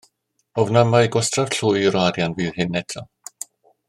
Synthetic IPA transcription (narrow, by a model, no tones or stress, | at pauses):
ɔvnəmaɨɡɔstrav̥ɬuːjɾwaɾjanviːðhɪnɛtʰɔ